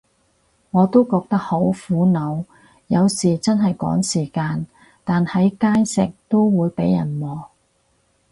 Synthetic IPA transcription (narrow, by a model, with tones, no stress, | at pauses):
ŋɔː˨˧t̪o˥wkɔː˧k̚t̪ɐ˥k̚ho˨˥wfuː˨˥nɐ˨˧w | jɐ˨˧wsiː˨˩t͡sɐ˥nɦɐ˨jkɔ̰ː˨˥ŋsiː˨˩kaː˧n | t̪aː˨nhɐ˨˥jkaː˥jsɪ˨k̚t̪o˥wwuː˨˧jpe˨˥jɐ˨˩nmɔː˨˩